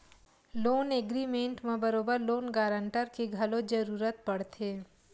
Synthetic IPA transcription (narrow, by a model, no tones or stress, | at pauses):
loːneɡɾimẽɳʈmẽbəɾoːbəɾloːnɡaːɾə̃ɳʈəɾkeɡʱɐlod͡ʒɐɾuːɾət̪̚pɐɽ̤t̪ʰeː